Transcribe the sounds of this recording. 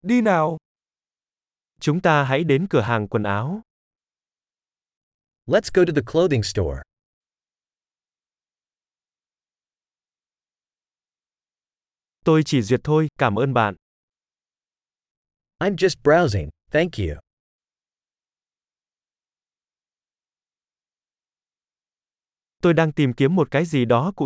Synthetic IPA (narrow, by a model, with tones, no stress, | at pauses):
ɗi˧naː˨˩w | t͡ɕʊ˨˦ŋ͡mt̪aː˧ɦa̰˧˥jɗe˨˦nkɨ˧˩əɦaː˨˩ŋkwə˨˩nʔaː˨˦w | lətsɡ̥oʊɾɨðɨkʰl̥oʊðɪ̃ŋstɔ̰ɹ | t̪o˧jt͡ɕi˧˩zwi˨˩ət̚t̪ʰo˧jkaː˧˩mʔəː˧nɓa̰ː˧˨n | ãɪ̃md͡ʒʌst̚b̥ɹaʊzɪ̰̃ŋθæ̃ŋkʰjʉ̰ | t̪o˧jɗaː˧ŋt̪i˨˩mki˨˦əmːo˨˩t̚kaː˨˦jzi˨˩ɗɔ˨˦kʊ̰˧˥